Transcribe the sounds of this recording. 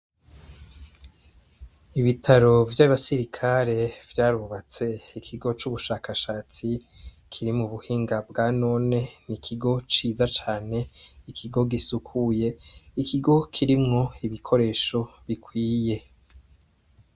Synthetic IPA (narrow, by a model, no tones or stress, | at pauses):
iβitʰaɾo̞vjaβasiɾikʰaɾe̞vjaːɾuβat͡se̞ikʰiɡo̞t͡ʃuβuʃaːkʰaʃaːt͡si | kʰiɾimuβuhiːŋɡabɡaːno̞ne̞nikʰiɡo̞t͡ʃiːzat͡ʃaːne̞ikʰiɡo̞ɡisukʰuje̞ikiɡo̞kʰiɾimŋo̞iβikʰo̞ɾe̞ːʃo̞βikwiːje̞